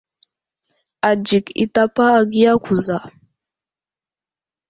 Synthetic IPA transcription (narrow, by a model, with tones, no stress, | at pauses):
a˨d͡ʒi˨kḭ˨ta˦paː˦˨ɡi˦a˦kʷu˨za˨